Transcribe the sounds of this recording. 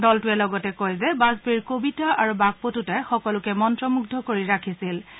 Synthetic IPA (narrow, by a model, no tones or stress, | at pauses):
dɔltʊɛlɔɡɔtɛkojzɛbazbiɹkobitaʔaɹubaɡ̚potutɛxɔkɔlʊkɛmɔntɹɔmuɡ̚dʱɔkoɹiɹakʰisil